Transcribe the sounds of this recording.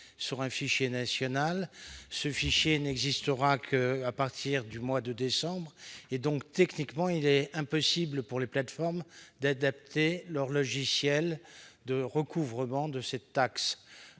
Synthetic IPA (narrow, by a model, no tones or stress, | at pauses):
syʁɛ̃fiʃjenasjɔnalsəfiʃjenɛɡzist̪əʁakʰəapaʁt̪ʰiʁd̪ymwad̪əd̪esɑ̃bʁed̪ɔ̃kt̪ɛknikmɑ̃ilɛɛ̃pɔsibləpuʁleplat̪fɔʁmd̪ad̪ap̚t̪elœʁlɔʒisjɛld̪əʁəkʰuvʁəmɑ̃d̪əsɛt̪ːaks